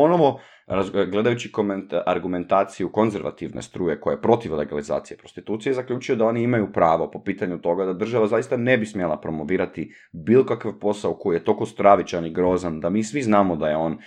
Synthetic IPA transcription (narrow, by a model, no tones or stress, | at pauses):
po̞noʋo̞ | ɾazɡle̞d̪ajut͡ɕikomaɾɡume̞nt̪aːt̪sijuko̞nze̞ɾʋa̰t̪iʋnḛst̪ɾuːje̞ko̞jepɾo̞t̪iʋleɡaliza̰ːt̪sije̞pɾost̪it̪uːt̪sije̞zakʎʲuːt͡ʃujed̪ao̞ːniimajupɾaːʋo̞po̞piːt̪aɲut̪o̞ɡad̪ad̪r̩ʒaʋazajist̪ane̞bismjelˠapɾo̞mo̞ʋiːɾat̪i | bilˠokakaʋpo̞saoko̞jije̞t̪o̞lko̞st̪ɾaʋit͡ɕaniɡɾo̞ːzand̪amiːsʋiznaːmod̪aje̞o̞ːn